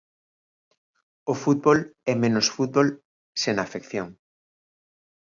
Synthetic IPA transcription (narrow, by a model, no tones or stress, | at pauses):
ofut̪̚bɔlɛmẽnosfut̪̚bol | senafekθjoŋ